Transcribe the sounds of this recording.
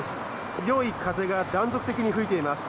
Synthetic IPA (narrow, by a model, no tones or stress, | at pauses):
sɨ̥ | t͡sɨjo̞ikʰaze̞ɡad̪ãnzo̞kɯ̟t̪e̞kʲiɲ̟iɸɯ̟it̪e̞imasɨ̥